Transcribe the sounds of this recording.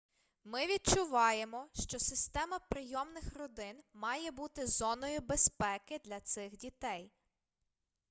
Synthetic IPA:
mɪʋʲid̚t͡ʃʊʋɑjemɔʃt͡ʃɔsɪst̪ɛmɐpɾɪjɔmnɪxrɔd̪ɪnmɑjɛbut̪ɪzɔnɔjʊbespɛkɪd̪lʲɐt̪sɪxdʲit̪ɛj

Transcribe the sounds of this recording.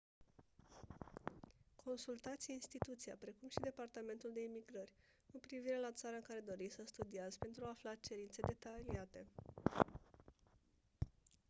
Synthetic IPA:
kʰo̞nsult̪at̪sʲinst̪it̪ut̪siapɾe̞kumʃid̪e̞part̪ame̞nt̪uld̪e̞imiɡɾərʲ | kupɾiviɾe̞lat̪saɾəɨŋkaɾe̞d̪o̞ɾisəst̪ud̪iazpe̞nt̪ɾuaːflat͡ʃe̞ɾint̪se̞d̪e̞t̪aliat̪e̞

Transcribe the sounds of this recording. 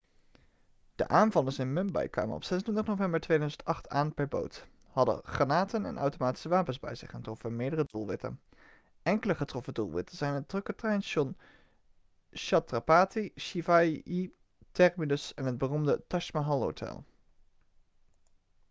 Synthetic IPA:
d̥ə̰ʔaːnvɑlənsɪnmɵmbɑ̰jkʋa̰ːmə̰nɔ̰psɛsntʰɪntəχnowvɛmbəɹtʋejdœɥzəntɑχtʰaːnpɛɹbo̰wt | hɑdə̰χranaːtənɛ̰nɑ̰wtomaːti̥səʋaːpənzbɛ̰jzɪχəntrɔfənmɪːɹdərədulˠʋɪtə̰n | ʔɛŋkələχətrɔfədulˠʋɪ̰təz̥ɛjnɦət̚drɵkətrɛjnʃɔn | ʃɑtrapaːtiʃivaji | tɛrmilɵsɛnɦəd̚bərumdətɑʃmaɦɑlˠɦo̰wtʰɛ̰lˠ

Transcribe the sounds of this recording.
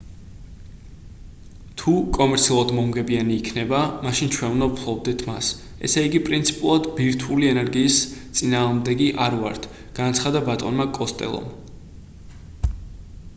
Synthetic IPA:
t̪ʰukʼɔmɛɾt̪sʰiulˠad̪mɔmɡɛbianiːkʰnɛbamaʃint͡ʃʰwɛnvnavpʰlˠɔbd̪ɛt̪ʰma̰s | ɛ̰sɛiɡipʼɾint̪sʰi̥pʼulˠad̪biɾt̪ʰuliɛnɛɾɡiːst̪sʼinaːʁmd̪ɛɡiʔaɾvaɾt̪ʰ | ɡ̥anat̪sʰχad̪abat̪ʼɔnmakʼɔst̪ʼɛ̰lˠɔ̰m

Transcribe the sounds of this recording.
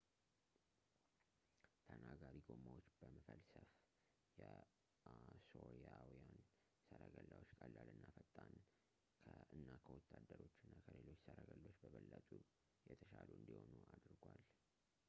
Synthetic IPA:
t̪ʰənaɡaɾiɡo̞mawot͡ʃːb̥əməkəlsəf | jɛ | asoɾjawjan | səɾəɡəlːawot͡ʃːkʼəlːalɨnːafət̪ʼːan | kʰɨnːakʰəwɔt̪ʰːad̪ːəɾo̞t͡ʃːɪnːakʰəlelo̞t͡ʃːsəɾaɡəlːo̞t͡ʃːbəβəlːət̪ʼu | jɛt̪ʰəʃaluɨnd̪iho̞nuʔad̪ɾɡwal

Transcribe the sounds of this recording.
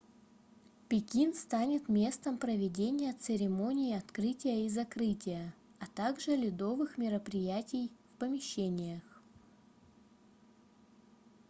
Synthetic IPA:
pʲɪkʲinst̪anʲɪt̪mʲe̞st̪əmpɾəvʲɪdʲenʲɪjət̪sɨɾʲɪmo̞nʲɪːɐt̪kɾɨtʲɪjəizɐkɾɨtʲɪjə | ɐt̪aɡʐɨlʲɪd̪o̞vɨxmʲɪɾəpɾʲɪjætʲɪjfpəmʲɪɕːenʲɪjəx

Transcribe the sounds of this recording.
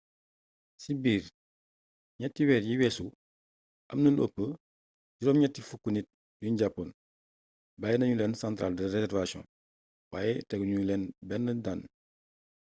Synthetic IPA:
sibiːɾ | ɲɛtːiwɛːtjiwɛːsu | ʔɐ̰mnɐlo̰pːə | ɟuɾɔːmɲɛtːifukːunit̚ | junɟapːon | baːjɛnɐɲulɛːnsãntɾaːldɛresɛrvasjɔ̰̃n | waːjɛtɛɡuɲuulɛnbɛnːədan

